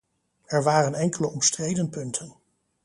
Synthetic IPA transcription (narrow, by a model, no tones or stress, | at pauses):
ɛɹʋaːrənɛŋkələɔmstrejdənpɵntʰən